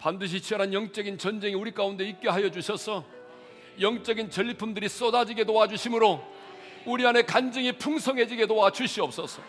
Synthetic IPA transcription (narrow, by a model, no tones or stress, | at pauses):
pandɯɕ̬ʰit͡ɕʰʌɾɦanjʌŋt͡ɕ͈ʌɡint͡ɕʌnd͡ʑe̞ŋiuɾik͈aunde̞ik̚k͈jeɦajʌd͡ʑuɕʰʌsʰʌ | jʌŋt͡ɕ͈ʌɡint͡ɕʌʎːipʰumdɯɾis͈ʌdad͡ʑiɡedowad͡ʑuɕʰimɯɾo | uɾiane̞kand͡ʑɯŋipʰuŋsʰʌŋɦe̞d͡ʑiɡe̞dowat͡ɕuɕ͈ʰiʌp̚s͈ʌsʰʌ